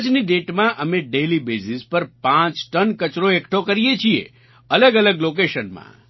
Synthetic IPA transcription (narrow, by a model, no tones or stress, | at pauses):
d͡ʒniɖeʈmãʔəmẽɖelibesispəɾpãt͡ʃʈənkət͡ʃɾoekʈʰokəɾijet͡ʃʰiḛ | ələɡələɡlok̬eʃənmã̰